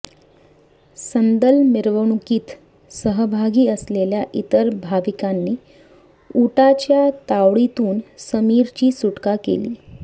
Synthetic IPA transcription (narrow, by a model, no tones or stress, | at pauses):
sənd̪əlmiɾʋəɳ̃ukiːt̪ | səɦəbʱaɡiːəsleljaʔit̪əɾbʱaʋikanːiː | uʈat͡ɕjat̪aʋɭit̪uːnsəmiːɾt͡ɕiːsuʈkakḛliː